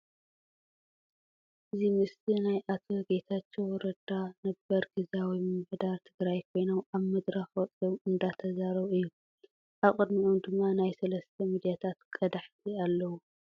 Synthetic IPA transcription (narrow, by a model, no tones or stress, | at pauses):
ʔɨzimɨsinajʔat̪ʰoɡet̪ʰat͡ʃːewɔɾɐd̪anɐbɐɾɡɨzawijmmħd̪aɾt̪ʰɨɡɾajkʰo̞jnowaβmɐd̪ɾaxwɔt͡s̪ʼowɨnd̪at̪ʰɐzaɾɐβɨjːu | ʔaβχʼɨd̪miomd̪ɨmːanajsɐlɐst̪ʰɐmid̪ijat̪ʰat̪kʼɐd̪aħt̪ʰialːɐwu